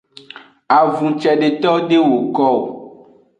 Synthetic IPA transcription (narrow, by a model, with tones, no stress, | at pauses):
a˨vũ˨t͡ʃɛ˨ɖe˨t̪ɔ˦ɖe˦wo˨kɔ˦o˨